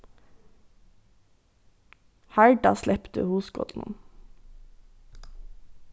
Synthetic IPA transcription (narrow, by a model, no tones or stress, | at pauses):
hæɹɖɑslɛpt̪ʰə̰huːsɡɔ̰t̪n̩n